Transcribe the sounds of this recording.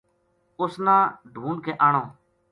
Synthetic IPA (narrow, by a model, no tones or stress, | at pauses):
ʊsnãːɖʱuːnkeːʔaːɳoː